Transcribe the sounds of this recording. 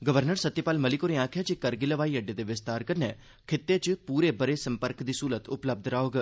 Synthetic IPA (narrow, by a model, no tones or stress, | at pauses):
ɡəʋəɾnəɾsət̪ːɪpaːlməlɪkoːɾẽːãːkʰjaːd͡ʒiːkəɾɡiləʋaːiːəɖeːd̪eːʋɪst̪aːɾkəɾnɛ̰ː | kʰɪt̪ːeːt͡ʃpuːɾeːbəɾeːsəmpəɾkd̪iːsuːlət̪ʊpləb̚d̪ɾaːoːɡ